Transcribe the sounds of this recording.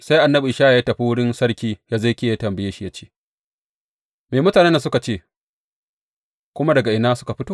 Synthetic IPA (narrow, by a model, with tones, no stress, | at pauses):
sa˦jʔa˨nːɐ˦bi˨ʔɪ˨ʃaː˦a˨ja˦tɐ˨ɸi˦wʊ˦ɽɪ˦nsɐ˦ɽkʲiː˦ja˦za˦kʲeː˦˨ja˦tɐ˨mbɐ˨jaː˦ʃi˦jɐ˦t͡ʃe̥ː˦ | meː˨mʊ˦taː˨ne˦n˦sʊ˦ka˨t͡ʃeː˦˨ | kʷʊ˦ma˦dɐ˨ɡa˨ʔɪ˨naː˦sʊ̥˦ka˨ɸɪ˦toː˦